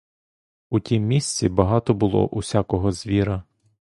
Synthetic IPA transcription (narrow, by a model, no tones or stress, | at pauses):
utʲimːʲisʲt͡sʲibɐɦɑt̪ɔbʊlˠɔ̰ʔusʲakɔɦɔzʲʋʲiɾɐ